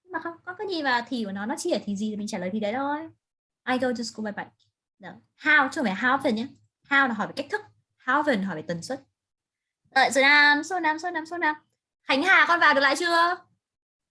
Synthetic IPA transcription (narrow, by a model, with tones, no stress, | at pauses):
ɲ˧maː˨˩xə˧wŋ͡mkɔ˨˦kaː˨˦zi˨˩maː˨˩t̪ʰi˨˩ku˧˩ənɔ˨˦nɔ˨˦t͡ɕi˧ə˨˩t̪ʰi˨˩zi˨˩i˨˩mi˨˩ŋ̟t͡ɕaː˧˩ləː˨˩j̪ʰi˨ɗə˨˦jt̪ə˧j | ʔaː˧jto˧zɨ˧sku˧ɓaː˧˩ɓa˨˦jk̚ | nəː˨˦ | haː˧wt͡ɕŋfaː˧˩ɦaː˧˦wfə˨˧˩nɲaː˨˦ | haː˧wɦɔ˧˩faː˧˩ka˦˥k̚t̪ʰɨ˦˥k̚ | haː˧˩wvə˨˩nɦɔ˧˩faː˧˩t̪ə˨˩nswə˦˥t̚ | ləː˧˩jsɨ˧˩naː˧˩mso˧naː˧˩mso˧naː˧mso˧naː˧˩m | xa˨˦jŋ̟haː˨˩kɔ˧nvaː˨˩wɗkla̰ː˧˨jt͡ɕɨ˧ə